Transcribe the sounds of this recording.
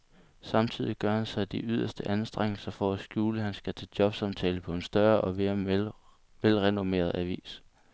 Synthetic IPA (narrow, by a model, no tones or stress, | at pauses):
sɑ̈mt͡sʰið̞̰ˠiɡ̥ɶɐhænsɑ̈ɪd̥iʔyð̞ˠɐsd̥əʔænsd̥ʁeŋ̰l̩sɐfɒæsɡ̥juːləɦænsɡ̥æt͡sʰe̝d̥jɒ̽b̥sɑmt͡sʰɛːləpʰɒ̽e̝nsd̥ɶɐʔɒ̽ʋe̝ːɐ | ʋelʁɛnome̝̰ːɐðˠæʋḭːs